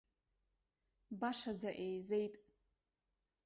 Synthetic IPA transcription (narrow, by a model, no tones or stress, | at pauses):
baʂad͡zaʔejzejtʼ